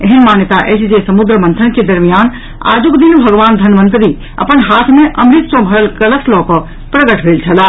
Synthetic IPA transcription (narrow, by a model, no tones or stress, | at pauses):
eɦinmaːnjət̪aʔɛsd͡ʒesəmud̪ɾəmənt̪ʰənked̪əɾmijaːn | a̰ːd͡ʒukd̪inbʱəɡʋaːnd̪ʱənmə̃nt̪ɾi | ə̰pənɦaːt̪ʰmẽʔəmɾit̪sɔ̃bʱɐɾəlkələslɔːkɔ | pɾəɡəʈbʱeːlt͡ʃʰəla